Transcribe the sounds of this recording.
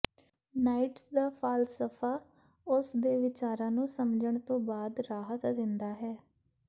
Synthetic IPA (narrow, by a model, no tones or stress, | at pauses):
naːɪʈsd̪aːpʰaːlsəpʰaː | ʊsd̪eːʋɪt͡ʃaːɾãːnũːsəmd͡ʒəɳt̪õːbaːd̪ɾaːɦət̪d̪ɪnd̪aːɦɛː